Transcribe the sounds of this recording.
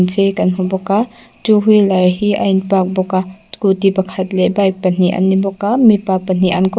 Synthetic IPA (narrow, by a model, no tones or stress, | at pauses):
nsekanɦubɔka | tuɦujlaɾɦia̰jnpak̚bɔkakutibɐkʰatlebajk̚pɐniʔa̰nːibɔkamipapɐniʔankɔ